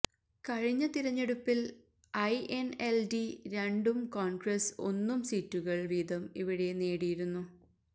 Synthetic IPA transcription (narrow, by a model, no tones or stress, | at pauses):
kɐɻiɲːɐt̪iɾɐɲːeɽupːil | ɐjʔeneldiɾe̞ɳɖumkoːɳɡɾeso̞̰nːumsiːtːuɣɐɭʋiːd̪ɐmiʋiɽene̞ːɽijiɾunːu